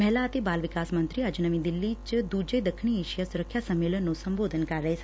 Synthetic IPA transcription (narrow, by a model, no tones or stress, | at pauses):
mɛɦlat̪ebalʋɪkasmənt̪ɾiad͡ʒunəmĩd̪ilːit͡ʃd̪ud͡ʒəjd̪əkʰɳ̃ieʃijasuɾəkʰːjasəmːelənːõsəmbod̪ʱənkaɾəj